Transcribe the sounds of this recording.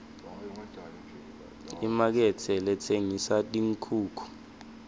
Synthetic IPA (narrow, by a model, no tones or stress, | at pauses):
imak̬ɛt͡sʰɛlɛtʰeŋisatʼiŋ̩kʰuːkʰu̥